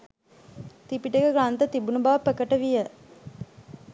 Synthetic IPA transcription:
t̪ipiʈekəɡɾant̪ət̪ibunubaʋəpəkəʈəʋijə

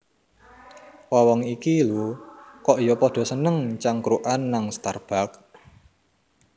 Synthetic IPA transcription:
wawɔŋikilukɔʔijɔpɔɖ̥ɔ̤sənəŋt͡ʃaŋkɾuʔanːaŋst̪arb̥a̤k̚

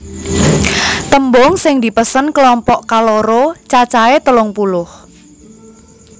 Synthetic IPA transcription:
t̪əmbɔŋsɪŋd̪i̤pəsənklɔmpɔʔkaloɾot͡ʃat͡ʃaet̪əlʊŋpulʊh

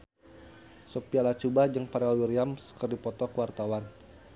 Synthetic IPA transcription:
sɔpialat͡ʃubahd͡ʒəŋpaɾalwiɾiamskərdipɔt̪ɔkəwart̪awan

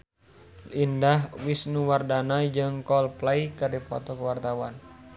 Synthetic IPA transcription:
indahwisnuwardanaid͡ʒɨŋkɔlplaikɨrdipɔ̰t̪ɔkəwart̪awan

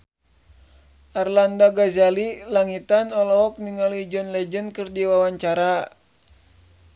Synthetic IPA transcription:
ʔarlandaɡazalilaŋit̪anɔlɔɔk̚niŋalid͡ʒɔnlɛd͡ʒənkɨrdiwawaɲt͡ʃaɾa

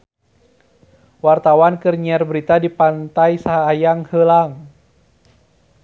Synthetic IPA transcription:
wart̪awankərɲiɛrbəɾit̪adipant̪ajsaɦaːjaŋhəlaŋ

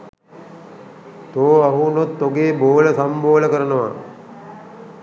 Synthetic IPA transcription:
t̪oːaɦunot̪ːoɡeːboːləsamboːləkəɾənəʋa̰

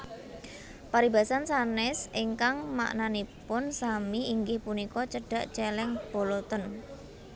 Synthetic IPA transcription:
paɾibasansanɛsiŋkaŋma̰ʔnanipʊnsamiiŋɡɪhpunikɔt͡ʃəɖ̥a̤ʔt͡ʃɛlɛŋb̥o̤lot̪ən

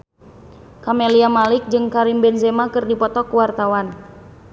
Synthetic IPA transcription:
kameliamalik̚d͡ʒɨŋkaɾimbɛnzɛmakɨrdipɔt̪ɔkuwart̪awan

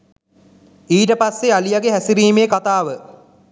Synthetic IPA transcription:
iːʈəpasːealijaɡeɦæsiɾiːmeːkat̪aːʋə

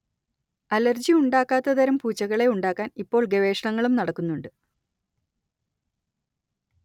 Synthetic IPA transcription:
ɐlɐrd͡ʑiuɳɖaːkːaːt̪ːɐðɐɾɐmpuːt͡ɕːɐɣɐɭe̞uɳɖaːkːaːnipːo̞ːɭɡe̞ʋe̞ːʂɐɳɐŋːɐɭumnɐɽɐkːunːuɳɖɨ

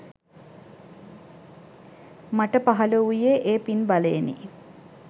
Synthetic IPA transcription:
maʈəpaɦɐləujeʔeːpinbalenḭ

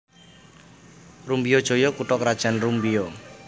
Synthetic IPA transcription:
rumbijɔd̥ʒ̥o̤jɔkuʈɔkɾad̥ʒ̥a̤nrumbijɔ

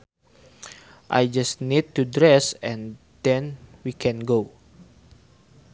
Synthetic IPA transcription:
ʔa̰jd͡ʒastnid̚t̪udɾɛsɛ̃n | d̥ɛ̃nwikʰɛ̃nɡo

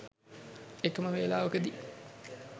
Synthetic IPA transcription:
ekəməʋeːlaːʋəkəd̪i

